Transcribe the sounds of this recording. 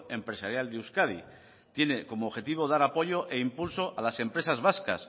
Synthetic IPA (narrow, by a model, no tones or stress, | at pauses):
e̞mpɾe̞saɾjald̪euskað̞ḭ | t̪je̞ne̞ko̞moːxe̞t̪iβ̞o̞ðaɾapo̞ʝo̞ʔe̞impulso̞ʔalase̞mpɾe̞sazβaska̰s